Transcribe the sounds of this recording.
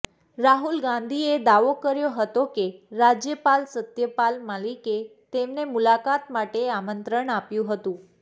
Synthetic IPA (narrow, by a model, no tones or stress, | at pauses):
ɾaɦulɡãnd̪ʱied̪aʋokəɾjoɦət̪okeɾad͡ʒjəpalsət̪jəpalmaliket̪emnemulakat̪maʈeamənt̪ɾəɳapjũɦət̪ũ